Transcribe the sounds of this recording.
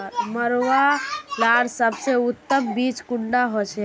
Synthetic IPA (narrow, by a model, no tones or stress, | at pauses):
ɾməɾwalaɾsəbʱseut̪ːəmbit͡ʃkuɳɖaɦot͡ʃʰɛ